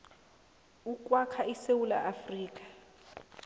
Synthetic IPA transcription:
ukʼwakʰaisewula̰ʔafriːkʼḁ

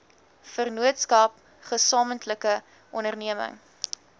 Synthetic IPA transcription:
fərnuətskɐp | χəsɑːməntləkə | ʔɔnərniəmə̰ŋ

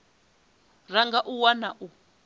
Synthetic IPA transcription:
raŋɡaʔuwanaʔu

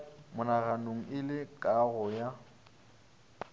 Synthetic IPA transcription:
mʊnaɣanoŋ̩ɪlɪkʼaɣʊja

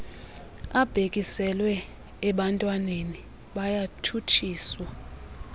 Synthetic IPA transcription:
ab̥ʱek̬ʼisɛlwɛː | ɓantʼwaneni | ɓajatʰutʰiːswa

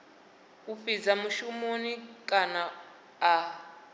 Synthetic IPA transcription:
ufid͡zamuʃumonikʼanaː

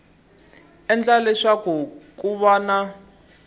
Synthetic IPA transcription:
ɛnd͡ɮalɛʂakɔk̬ʼuβana

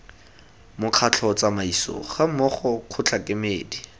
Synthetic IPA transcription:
mʊq͡χʰat͡ɬʰɔt͡samaisɔ̰χamɔχɔkʰʊt͡ɬʰakʼɪmeːdi

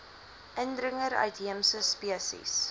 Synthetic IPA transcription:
ʔəndrəŋəɾœ̰ɥtɦiəmsəspiəsḭs

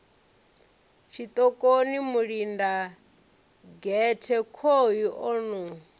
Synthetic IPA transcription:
ʃit̪ʼɔkʼonimuɺinda | ɡɛtʰɛkʰojiʔɔnu

